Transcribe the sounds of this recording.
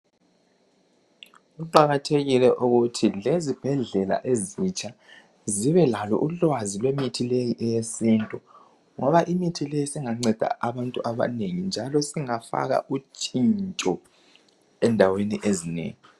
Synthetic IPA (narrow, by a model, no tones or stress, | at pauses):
ɣuǃaɣatʰeɣilɛʔuɣutʰilezib̥ʱɛɮɛla̰ʔezit͡ʃʼʰa | ziβɛlalɔ̰ʔulwazilwemitʰilejiʔɛjesintʼu | ŋɔβaʔimitʰilejisiŋaŋ͡ǀɛd̥ʱa̰ʔaβantʼuʔaβa̰neŋind͡ʒʱalɔsiŋafa̰ɣa̰ʔut͡ʃʼint͡ʃʼɔ | ɛndʱaweniʔezinḛːŋi